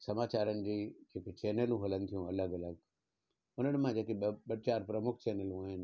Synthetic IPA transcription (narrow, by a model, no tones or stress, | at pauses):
sɐmaːt͡ɕaːɾənɪ̆d͡ʑiːd͡ʑeːket͡ɕɛːnəlũɦolənɪ̆t̪ʰijũɐləɡɐləɡ | ʊnənɪ̆mãd͡ʑeːt̪iɓɐɽt͡ɕaːɾpɾɐmʊkʰt͡ɕɛːnəlũaːɦɪn̆